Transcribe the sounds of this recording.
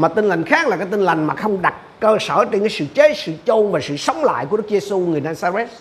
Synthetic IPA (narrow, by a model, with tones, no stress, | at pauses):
maː˨˩t̪i˧ŋ̟la˨˩jŋ̟xaː˦˥k̚la˨˩kaː˧˦jt̪i˧ŋ̟la˨˩jŋ̟maː˨˩xə˧wŋ͡mɗa˨˩t̚kəː˧səː˧˩t͡ɕe˧nkaː˨˦jsɨ̰˧˨t͡ɕe˨˦˥t̚sɨ̰˧˨t͡ɕo˧nvaː˨˩sɨ̰˧˨sə˨˦wŋ͡mla̰ː˧˨jku˧˩ɗk̚ze˧su˧ŋɨ˨˩əjnaː˧zaː˧zɛ˦˥t̚